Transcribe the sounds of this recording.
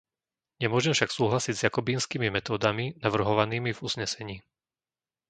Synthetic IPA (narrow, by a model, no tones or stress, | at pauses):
ɲɛmʊɔʒɛmfʃaksuːɦlasiɟzjakɔbiːnskiːmimɛt̪ɔːd̪aminaʋr̩ɦɔʋaniːmivuzɲɛsɛɲiː